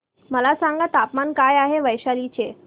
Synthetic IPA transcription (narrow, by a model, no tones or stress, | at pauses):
məlasaŋɡat̪apmankajaɦeʋəjɕalit͡ɕe